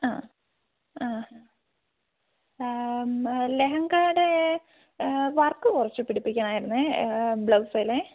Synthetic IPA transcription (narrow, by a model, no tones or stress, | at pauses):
aː | aːa | leɦɐŋɡaːɽe | ʋɐrkːɨkurɐt͡ɕːɨpiɽipːikʲːaːɳaːjiɾunːɨbɭɐʋsɐjle